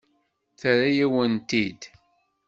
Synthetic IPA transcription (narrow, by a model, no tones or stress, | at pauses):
θɾajæwənt̪id̪